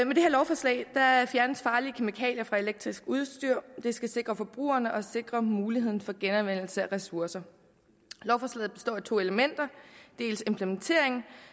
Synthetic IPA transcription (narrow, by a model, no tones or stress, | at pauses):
mede̝heɐlɒʊfɒslɛ̰ɪd̥ɑfjæɐnəsfɑ̈ːliəkʰe̝mikʰɛ̰ːljɐfʁɑ̈e̝leɡ̥̚d̥ʁisɡ̥uð̞ˠsd̥yɐ̰d̥e̝sɡ̥æse̝ɡ̥ʁɐfɒ̽b̥ʁṵːɐnəʔɒ̽se̝ɡ̥ʁɐmuːlihe̝ð̰ˠn̩fɒ̽ɡ̥enɒnʋen̰l̩səæʁɛsuɐsɐ | lɒʊfɒːslɛ̰ɪːð̩ˠb̥e̝sd̥ɒ̰ːit͡sʰo̝̰ːe̝ləmen̰d̥ɐd̥e̝̰ːlse̝mpʰlement͡sʰe̝ɐ̰e̝ŋ